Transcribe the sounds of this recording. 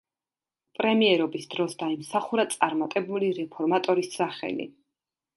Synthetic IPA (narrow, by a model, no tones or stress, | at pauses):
pʼɾɛmiɛɾɔbisd̪ɾɔsd̪aimsaχuɾat̪sʼaɾmat̪ʼɛbuliɾɛpʰɔɾmat̪ʼɔɾisaχɛ̰lḭ